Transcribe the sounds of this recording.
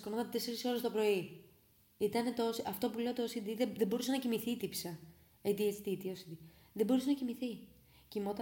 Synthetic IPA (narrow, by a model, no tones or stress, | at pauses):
konomɐt̪t̪eseɾiso̞lst̪o̞pɾo̞i | it̪ɐne̞t̪osɐft̪o̞pule̞ot̪oosid̪iðeðebo̞ɾusenɐcimiθit̪ipsɐ | et̪iesi̥t̪it̪iosid̪i | ðebo̞ɾusenɐcimiθi | cimo̞t̪ɐ